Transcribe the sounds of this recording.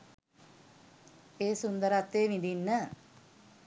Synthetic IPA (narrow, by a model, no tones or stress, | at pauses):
eːsund̪əɾat̪ːeːʋind̪inːə